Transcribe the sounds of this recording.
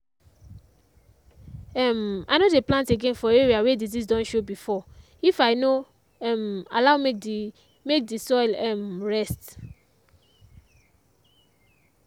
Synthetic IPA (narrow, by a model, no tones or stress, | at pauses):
ɛma̰nodeplãnteɡẽnfɔeɹiawedizizdɔ̃nʃobifɔ | ifaɪno | ɛma̰lawmek | mek̚disɔjlɛmɹɛst